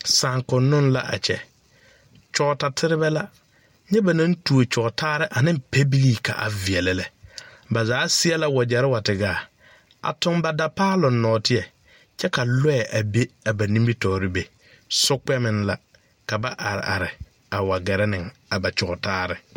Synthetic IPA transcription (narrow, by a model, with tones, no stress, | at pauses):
saː˨ŋkʊ˨nːʊ˦nla̰˦ʔa̰˨t͡ʃɛ˨ | t͡ʃɔ˨ta˨tʰɪ˦ɾɪ˦bɛ˦la˦ | ɲɛ˦ba˨nã˦n˦tu˨o˨t͡ʃɔ˨ɡtaː˦ɾɪ˦ʔa˨nɪ̃˦mpe˦bi˦liː˨ka̰˨ʔa̰˨vɪ˨ɛ˨lɛ˦lɛ˨ba˨zaː˨˦sɪ˦ɛ˦la˦wa˨d͡ʒɛ˨ɾɪ˦wa˨tɪ˨ɡaː˨ | a̰˨tʊ˦ŋba˨da˦paː˦lʊ˨nnːɔː˨tɪ˦ɛ˨ | t͡ʃɛ˦ka˨lɔ˦ɛ˨ʔa˨be˦a˨ba˨nĩ˦mbi˦tɔː˨ɾɪ˦be˨ | sʊ˦k͡pɛ˦mɪ̃˦nla˨ | ka˨ba˦ʔa˨ɾɪ̰˨ʔa̰˨ɾɪ˨ | a˨wa˨ɡɛ˨ɾɛ˦nɪ˨ŋa˨ba˨t͡ʃɔ˨ɔ˨taː˦ɾɪ˦